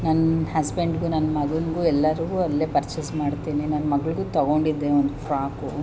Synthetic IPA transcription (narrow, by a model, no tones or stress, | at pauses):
nɐnːɐhɐsbeɳɖɡunɐnːɐmɐɡɐnɡuːɛlːɐɾuɡuːɐlːe̞ːpɐɾt͡ʃesmaːɖt̪iːninɐnːɐmɐɡɐɭuɡuːt̪ɐɡo̞ɳɖid̪ːeond̪ufɾaːku